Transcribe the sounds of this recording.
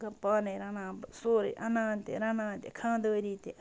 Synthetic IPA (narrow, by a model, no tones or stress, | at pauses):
ɡɐpanẽɾanãːsoːɾḭʔanãːnt̪ḛɾãnãːnt̪ekʰãːd̪əːɾit̪e